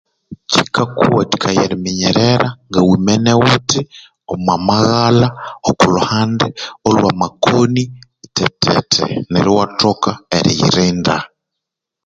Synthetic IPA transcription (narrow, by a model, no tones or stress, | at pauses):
cikakuwati̥kʰajeɾimiɲɛɾɛɾaŋɡawimɛnewuti | omwamaɣalaokuluhandɛolwamakoni | tɛtʰɛ̰tʰɛ̰neɾiwatokaeɾijḭɾinda